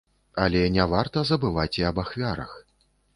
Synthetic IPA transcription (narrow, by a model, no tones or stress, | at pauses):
alʲɛnʲavart̪ɐzɐbɨvat͡sʲiɐbaxvʲaɾɐ̰x